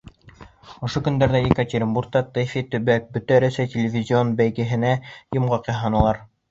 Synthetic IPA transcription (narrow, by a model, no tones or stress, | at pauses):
ŏʃokɵ̆nd̪æɾðæikatʲeɾʲɪmburk̚t̪ɑt̪ɨfʲit̪ɵ̆βæk̚bɵt̪æɾæsæjt̪ʲelʲɪvʲizʲio̞nbæjɡɘ̆ɦɘ̆næjŏmʁɑqɑɦɑnɤlˠɑɾ